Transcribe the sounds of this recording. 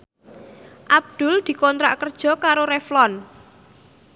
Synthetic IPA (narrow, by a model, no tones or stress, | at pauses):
ʔab̚d̪̥ʊ̤ld̪̥i̤kɔnt̪ɾa̰ʔkərd̥ʒ̥ɔ̤kaɾoɾɛflɔn